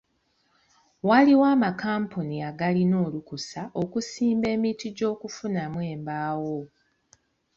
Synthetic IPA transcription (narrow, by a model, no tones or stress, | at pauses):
waliwaːmakaːmpuniaɡalino̞ːlukusaʔo̞kusiːmbe̞ːmitiɟo̞ːkufunamwe̞ːmbaːwo̞